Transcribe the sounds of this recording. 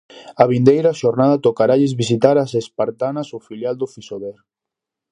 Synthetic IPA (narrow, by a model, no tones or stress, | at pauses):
aβind̪ejɾaʃoɾnaðat̪okaɾaʎezβis̬it̪aɾasespaɾt̪anasofiljald̪ofisoβɛɾ